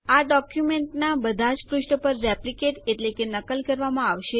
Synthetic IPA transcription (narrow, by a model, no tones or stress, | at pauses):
aɖɔkjumeɳʈnabəd̪ʱat͡ʃpɾuʃʈəpəɾːɛplikeʈeʈlekenəkəlkəɾʋamãaʋʃe